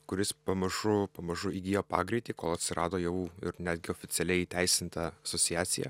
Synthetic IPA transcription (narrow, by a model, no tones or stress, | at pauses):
kʊɾʲɪspɐmɐʒʊpɐmɐʒʊiːɡʲiːjoːpɑ̰ːɡɾʲɪt̪ʲikoːlˠɐt̪ʲsʲɪɾʔɑ̰ːd̪oːjɛʋuɪ̰ɾnʲæːd̪ʲɡʲɪoːfʲɪtsʲɛlʲɛɪiːt̪ʲæɪsʲɪnt̪ɐɐsoːt͡s̪ʲɪjæːt̪sʲɪjɛ̰